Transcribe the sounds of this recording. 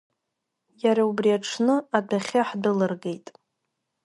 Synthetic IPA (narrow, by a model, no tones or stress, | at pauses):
jaɾaubriaʈ͡ʂʰnɨadʰaχʲaħdɨlɨrɡe̞jtʼ